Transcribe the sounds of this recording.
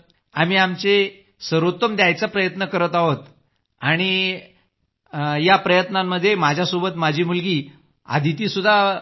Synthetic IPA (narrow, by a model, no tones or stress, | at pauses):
am̤iːamt͡se | səɾut̪ːəmd̪jajt͡sapɾəjət̪nəkəɾət̪aɦot̪ | aɽ̃i | japɾəjət̪namːəd̪ʱːjemad͡ʑʱjasobət̪mad͡ʑʱiːmulɡiː | a̰d̪ʱit̪iːsud̪ʱːa